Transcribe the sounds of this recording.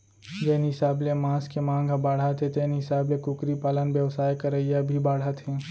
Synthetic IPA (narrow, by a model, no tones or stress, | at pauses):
d͡ʒɛːniɦɪsaːblemãːskemãːŋɡʱbaːɽ̤at̪ʰẽt̪ɛːniɦɪsaːblekʊkɾipaːlənbjəʋsaːjkəɾəijabʱibaːɽ̤at̪ʰɦẽ